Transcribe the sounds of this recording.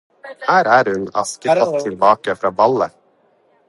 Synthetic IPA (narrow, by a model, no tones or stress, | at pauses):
hæːɾæɾhɵna̰skəɾat̪ʰːɪlbɑːkafɾɑːbalːə